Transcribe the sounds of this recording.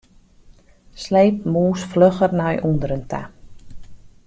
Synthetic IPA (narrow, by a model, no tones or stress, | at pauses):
slejp̚muːsfløxərnajʔundəɾəntʰa̰